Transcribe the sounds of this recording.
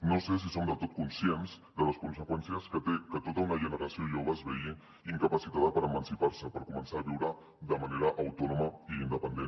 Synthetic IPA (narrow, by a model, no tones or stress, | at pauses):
noses̬isomd̪ət̪ot̪̚kunsienz | d̪ələskunsəkwɛnsiəskət̪ekət̪ot̪əunəʒənəɾasioʒoβ̞əzβɛji | iŋkəpasit̪aðəpəɾəmənsipaɾsəpəɾkumənsaːβiwɾə | ðəmaneɾəʔɐwt̪ɔnuməiːnd̪əpənd̪e